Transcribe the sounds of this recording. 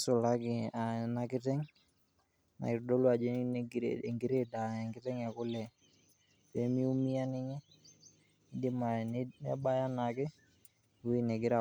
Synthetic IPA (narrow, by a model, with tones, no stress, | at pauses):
sʊ˨la˦kɪ˨a˨na˨kɪ˦tɛ˦ŋ | na̰˨kɪ˨ɾdɔ˦lwa˨d͡ʒe˦ɛ˨ŋɡɪ˦ɾe˦da˨ɛ˨ŋɡɪ˦tɛ˦ŋɛ˨kʊ˦lɛ˨ | pe˨˦mi˦u˦mi˦a˦nɪ˦ɲɛ˦ | ɪ˦dɪ˦ma˨nɛ̰˦ba˦ja˦na˨kɪ˦ | wi˦nɛ˨ɡɪ˦ɾa˨